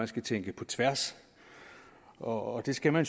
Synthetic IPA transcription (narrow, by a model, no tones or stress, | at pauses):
ænsɡ̥æt͡sʰeŋ̰ɡ̥əpʰɒ̽t͡sʰʋæɐ̰s | ɒ̽ːd̥e̝sɡ̥æmæns